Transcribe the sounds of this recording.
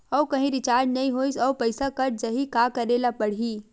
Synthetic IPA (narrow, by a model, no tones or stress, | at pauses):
ɔwkɐɦĩɾɪt͡ʃaːɾɖnɐɦĩɦoːisɔwpɐɪsakɐɾd͡ʒɐɦikaːkɐɾelapɐɽ̤iː